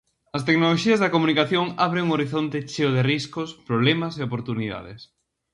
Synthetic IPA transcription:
ɐst̪eknoloʃiɐzðɐkomunikaθjoŋaβɾeŋoɾiθont̪et͡ʃeoð̞eriskospɾoβlɛmɐseopoɾt̪uniða̰ðḛs

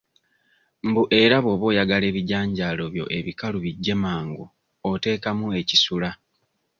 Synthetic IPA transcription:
mbuʔe̞ɾaβoːβo̞ːjaɡale̞ːβiɟaːɲɟaːlo̞βjo̞̰ʔeβikaluβiɟːe̞maːŋɡu | ote̞ːkamue̞cisula

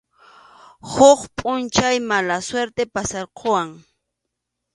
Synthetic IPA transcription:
hoχpʼʊnt͡ʃajmalasweɾt̪epasɑɾqʰowaŋ

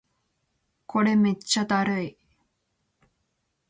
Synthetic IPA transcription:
kʰo̞ɾe̞met͡ɕːad̪aɾɯi

